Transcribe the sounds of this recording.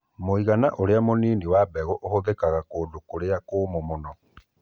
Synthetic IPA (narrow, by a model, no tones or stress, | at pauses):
moiɣanaʔoɾeamoniːniwabɛɣɔʔohoðekaɣakoːdokoɾeakoːmomonɔ